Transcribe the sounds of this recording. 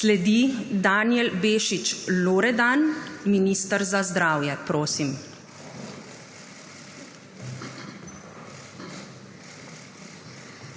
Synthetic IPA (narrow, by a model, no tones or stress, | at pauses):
slɛd̪id̪aːnjɛlbeːʃit͡ʃloːɾɛd̪anminiːst̪əɾzazd̪ɾaːwjɛpɾoːsim